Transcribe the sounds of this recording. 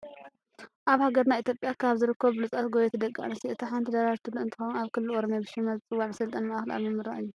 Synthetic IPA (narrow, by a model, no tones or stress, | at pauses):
ʔaβhaɡɐɾnajit̪ʰjopʼjakʰaβzɨɾɨkʰːɐβlɨt͡sʼɐt̪ɡoβet̪ʰɨd̪ɐkʼːa̰nɐsiʔɨt̪ʰiħant̪ʰid̪ɐɾaɾt̪ʰɨlːuɨnt̪ɨ̥xonaβkʰɨlːuʔoɾomjabɨʃɪmɐzt͡sʼɨwːaʕnɨsɐlt̪ʼɐnmɐʔaxla̰βimːɨɾa̰ʔɨjːu